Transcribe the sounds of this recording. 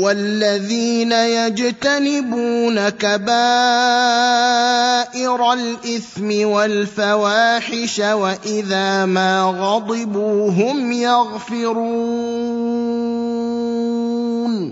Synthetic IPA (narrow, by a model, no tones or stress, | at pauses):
walːaðiːnajad͡ʒt̪anɪbuːnakabaː | ʔɪɾalʔɪθmɪwalfawaːħɪʃawaʔɪðaːmaːɣɑd̪ˤɪbuːɦʊmjɑɣfɪɾu | n